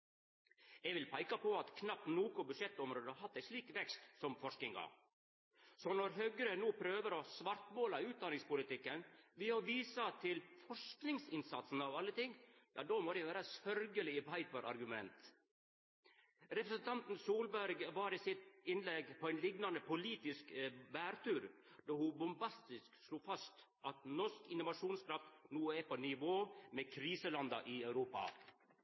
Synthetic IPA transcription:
ɛɡʋɪlpʰæɪkɑpɔɑt̪kʰnɑp̚tnoːkʊbʉʂɛt̪ːɔmɾoːd̪əɑɾhɑt̪ːæɪʂliːkʋɛkst̪sɔmfɔʂknɪŋɡɑ̰ | sɔnɔɾɦœɡɾənuːpʰɾøːʋəɾɔsʋɑɾt̪moːlɑʉːt̪̚d̪ɑnɪŋspʊlɪt̪ɪkːənʋɪhɑɾʋiːsɑt̪ʰɪlfɔʂknɪŋsɪnsɑt̪sn̩ɑʋɑlːət̪ɪŋːjɑ̰ːd̪omɔd̪jæʋæːɾɑsœɾɡəlɪɪbæɪt̪̚bɑɾʔɑ̰ɾɡʉmɛnt̪ | ɾɛpɾəsənt̪ʰɑnt̪n̩suːlbæɾɡʋɑːɾɪsɪt̪ɪnlɛɡpʰɔæɪnlɪɡnɑnəpʊliːt̪ɪskbæːɾt̪ʉːɾd̪̥ɔhʊbʊmbɑst̪ɪsksluːfɑst̪ | ʔɑt̪nɔʂkɪnʊʋɑʂuːnskɾɑft̪nuːɛpɔnɪʋoːmɛkʰɾiːsəlɑnd̪ɑ̰ʔɪœʉɾuːpɑ̰

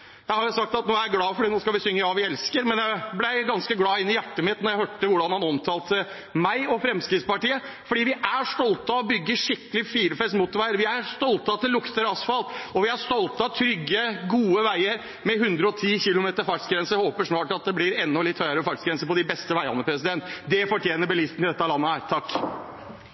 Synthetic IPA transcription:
jæɪhɑɾʊsɑk̚t̪ɑt̪noːæɾɡlɑːfɔɖiːnoːskɑlʋɪsʏŋːəjɑːʋɪɛlskəɾmɛnjæɪblæɪɡɑnskəɡlɑːɪnːɪjæʈːəmɪt̪nɔɾjæɪhøːʈːəʋʊɖɑnhɑnɔmt̪ʰɑːlt̪ʰə | mæɪɔfɾɛmskɾɪt̪spɑʈiːə | fɔɖiːʋɪʔæʂt̪ɔlt̪ɑɔbʏɡːəʂɪkːəlɪfiːɾəfɛsmʊːt̪ːʋæɪəɾʋɪæɾst̪ɔlt̪ɑt̪ʰɪlːʊkt̪əɾɑsfɑlt̪ɔʋɪæʂt̪ɔlt̪əɑt̪ʰɾʏɡːəɡuːəʋæɪəɾ | mɛhʉnd̪ɾəɔt̪ʰiːçɪlʊmeːt̪əɾfɑʈsɡɾɛnsəhoːpəʂnɑːʈɑt̪̚d̪ɛblɪɾɛnːɔlɪt̪hœʏəɾəfɑʈsɡɾɛnsəpɔd̪ɪbɛst̪əʋæɪɑ̰nːəpʰɾɛsɪd̪ɛnt̪d̪ɛfɔʈʰjeːnəɾbəlɪst̪nɪd̪ɛt̪ːəɑlɑnːəhæːɾt̪ʰɑkː

